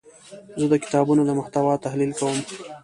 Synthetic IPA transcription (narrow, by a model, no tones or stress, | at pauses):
zəd̪əkɪ̥t̪ɑbunod̪əmʊxt̪awɑt̪ahlilkawəm